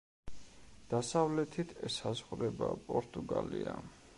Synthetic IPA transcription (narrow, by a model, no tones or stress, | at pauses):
d̪̥asavlɛt̪ʰit̪ʰɛsazʁuɾɛbapʼɔɾt̪ʼuɡalia